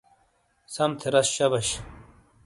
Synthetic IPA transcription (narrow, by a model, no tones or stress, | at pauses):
sɐmt̪ʰeɾɐsɕɐbɐɕ